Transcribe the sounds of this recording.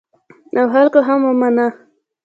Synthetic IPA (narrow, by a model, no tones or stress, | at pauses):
awɦalkoɦamamːana